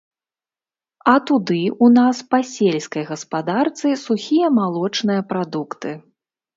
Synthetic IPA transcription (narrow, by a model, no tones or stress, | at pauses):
ɐt̪ud̪ɨunaspɐsʲelʲskɐjɣɐspad̪art̪sɨsuxʲijɐmalˠɔt͡ʂnɨjɐpɾad̪ukt̪ɨ